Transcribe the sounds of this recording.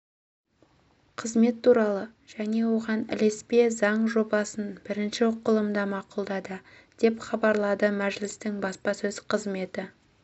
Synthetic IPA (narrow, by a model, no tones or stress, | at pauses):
qʰəzme̞t̪ʰːuɾɑlˠəʒ̥æne̞wo̞ʁɑnɪ̰le̞spe̞zɑɴʒo̞bɑsənbɪɾɪnʃɪʊqːəlˠəmd̪ɑmɑqulˠd̪ɑd̪ə | d̪̥e̞pχɑbɑɾlˠɑd̪əmæʒlɪst̪ɪŋbɑspɑsɵzqʰəzme̞t̪ɪ